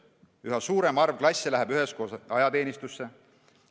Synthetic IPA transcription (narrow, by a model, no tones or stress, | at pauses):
yɦɑsuːɾe̞mɑrvklɑsʲːelæɦebyɦe̞sko̞ːsɑjɑt̪e̞ːnʲist̪usːe̞